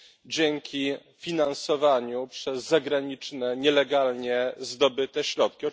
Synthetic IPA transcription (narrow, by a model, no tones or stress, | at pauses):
d͡ʑɛŋkʲi | fʲinansɔvaɲupʂɛzːaɡɾaɲit͡ʂnɛɲɛlɛɡalɲɛzd̪ɔbɘt̪ɛɕɾɔt̪̚kʲiɔ